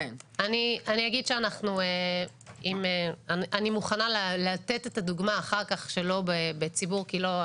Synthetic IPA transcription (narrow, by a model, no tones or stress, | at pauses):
eanianiaɡidʃeanaχnue | imeanʔanimuχanalalat̪etet̪aduɡmaːχaʁkaχʃe̞lo̞bebet͡sibuʁkilo̞